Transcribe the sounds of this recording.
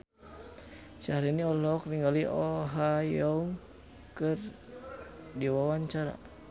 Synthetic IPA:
ʃaɾiniɔlɔk̚niŋɡaliʔɔɦajɔuŋ | kɨr | diwawaɲt͡ʃaɾa̰

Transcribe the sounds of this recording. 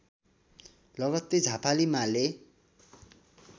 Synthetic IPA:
lʌɡʌt̪ːed͡zʱapalimale

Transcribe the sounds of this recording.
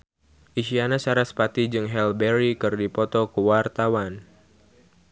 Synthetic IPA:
ʔiʃianasaɾaspat̪id͡ʒɨŋɦɛlbɛɾikɨrdipɔt̪ɔkəwart̪awan

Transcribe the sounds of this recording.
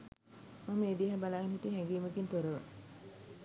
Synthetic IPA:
məmːeːd̪iɦabalaːɡinɦuʈiɦɛŋɡiːməkint̪oɾəʋə

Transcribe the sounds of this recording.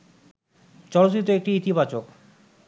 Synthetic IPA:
t͡ɕɔɽot̪it̪̬ːoek̚ʈiit̪iβat͡ɕok

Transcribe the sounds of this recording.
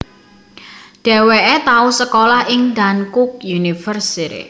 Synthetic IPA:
ɖ̥ɛ̤weʔet̪ausəkolahʔɪŋd̪ankʊk̚junifərsiɾḛ

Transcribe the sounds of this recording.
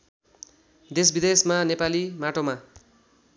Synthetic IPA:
d̪esbid̪esmanepalimaʈoma

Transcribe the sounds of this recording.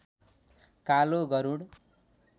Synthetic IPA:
kaloɡʌɾuɽ

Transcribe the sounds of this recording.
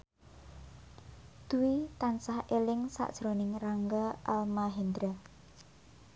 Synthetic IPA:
d̪̥uwit̪ansahelɪŋsa̰ʔd̥ʒ̥ɾo̤nɪŋraŋɡaalmaɦind̪ɾa

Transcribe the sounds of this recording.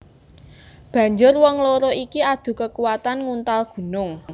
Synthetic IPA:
b̥ä̤ɲd͡ʒʊrwɔŋloɾoʔikiad̪̥ṳkəkuwat̪anŋunt̪alɡ̥ṳnʊŋ

